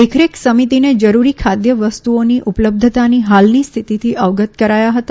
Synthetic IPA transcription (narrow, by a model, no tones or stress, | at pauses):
ekʰɾeksəmit̪ined͡ʒəɾuɾikʰad̪jəʋəst̪uoniʔupələb̚d̪ʱət̪aniɦalnist̪ʰit̪it̪ʰiʔəʋɡət̪kəɾajaɦət̪a